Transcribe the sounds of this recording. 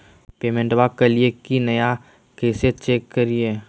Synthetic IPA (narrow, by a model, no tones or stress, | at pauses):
peːmẽɳʈbakːɐliekinɐja | keːset͡ʃeːkːəɾie